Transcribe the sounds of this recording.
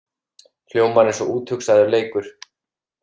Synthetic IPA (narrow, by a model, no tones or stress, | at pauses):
fljoːwmaɾɛnsɔʔuːt̪hʏksaðʏɾleːjkʏɾ̥